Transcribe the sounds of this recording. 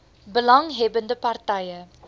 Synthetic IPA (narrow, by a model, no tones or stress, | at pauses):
bəlɐŋɦɛbəndəpɐrtɐjə